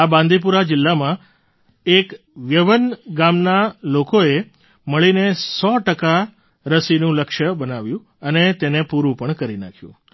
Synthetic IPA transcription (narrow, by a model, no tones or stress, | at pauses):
abãnd̪ʱip̬uɾad͡ʒɪlːamã | ek | ʋjəʋənɡamnalokoe | məɭinesɔʈəka | ɾəsinũləkʃəbənaʋjũ | ənet̪enepuɾũpəɳkəɾina̰kʰjṵ̃